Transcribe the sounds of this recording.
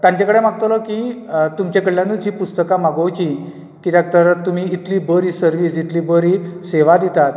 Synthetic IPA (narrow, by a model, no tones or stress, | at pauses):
t̪ãɲt͡ɕakəɽem̤aɡt̪olɔkit̪umt͡ɕakəɽljãnːuːt͡ɕiːpust̪əkamaɡəwt͡ɕi | kit̪jak̚t̪əɾt̪ːum̤iːit̪liːbəɾiːsəɾʋiːsit̪liːbəɾiseʋad̪it̪at̪